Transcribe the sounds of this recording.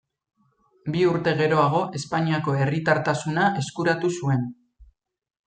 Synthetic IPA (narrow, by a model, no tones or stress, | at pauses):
biuɾt̪e̞ɣe̞ɾo̞aɣ̞o̞ʔe̞spaɲiako̞e̞rit̪aɾt̪asunaʔe̞skuɾat̪usue̞n